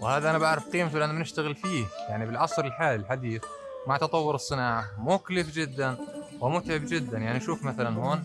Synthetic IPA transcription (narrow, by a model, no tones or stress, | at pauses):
wɪhaːðaʔanabaʕɾɪfqiːmt̪ulʔanːamnɪʃt̪aɣɪlfiːjaʕnibɪlʕɑsˤɾɪlħaːlilħad̪iːθ | maʕt̪ɑt̪ˤɑwːʊɾɨsˤːɨnaːʕamʊklɪfd͡ʒɪd̪ːanwɪmʊt̪ʕɪbd͡ʒɪd̪ːanjaʕniʔaʃuːfmaθalanhoːn